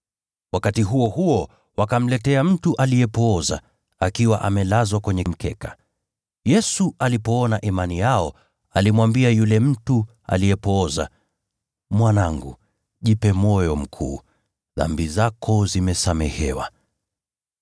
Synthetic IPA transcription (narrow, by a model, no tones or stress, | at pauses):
wakatiɦuɔhuɔ | wakam̩lɛtɛam̩tuʔalijɛpɔɔza̰ | akiwaʔamɛlazwakwɛɲɛm̩kɛka | jɛsuʔalipɔɔnaʔimanijaɔ | alimwambiajulɛm̩tu | a̰lijɛpɔːza̰ | mwanaŋɡṵ | ʄipɛmɔjɔm̩kʰṵː | ða̰mbizakʰɔzimɛsamɛhɛwa̰